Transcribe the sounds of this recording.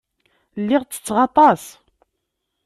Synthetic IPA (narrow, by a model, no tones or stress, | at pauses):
lːɪʁt͡sːə̥t͡sːʁɑt̪ˤɑs